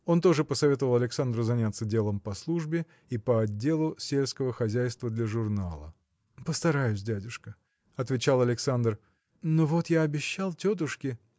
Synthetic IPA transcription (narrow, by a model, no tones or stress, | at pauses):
o̞nt̪o̞ʐɨpəsɐvʲe̞t̪əvəlˠɐlʲɪksand̪ɾʊzɐnʲat̪sədʲelˠəmpɐslˠuʐbʲɪ | ipəɐdʲːe̞lˠʊsʲelʲskəvəxɐzʲæjst̪vəd̪lʲɐʐʊrnalˠə̰ | pəst̪ɐɾajʊsʲdʲædʲʊʂkə | ɐt̪vʲɪt͡ɕalˠɐlʲɪksand̪r | novo̞t̪jaːbʲɪɕːalˠtʲot̪̬ʊʂkʲɪ